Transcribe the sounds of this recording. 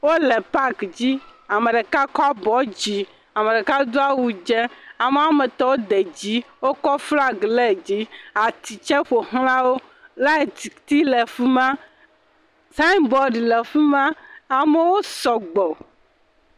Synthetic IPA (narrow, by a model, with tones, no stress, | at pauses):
wo˦lɛ˨pa˦kd͡ʑi˦a˨me˨ɖe˨ka˦kɔ˦a˦bɔ˨˦d͡ʑi˨ | a˨me˨ɖe˨ka˦d̪o˦a˦wu˨d͡ʒɛ˦a˨me˦a˨˦me˨t̪ɔ˦wo˦d̪e˨d͡ʑi˦wo˦kɔ˦fla˦ɡlɛ˦˨d͡ʑi˦a˨t̪i˨t͡ʃɛ˦ɸo˨ɦlã˦wo˦ | la˦e˨t̪i˨t̪i˦lɛ˨fi˦mã˦ | sa˦nbɔ˦ɖi˨lɛ˨fi˦mã˦a˨me˨wo˦sɔ˨ɡ͡bɔ˨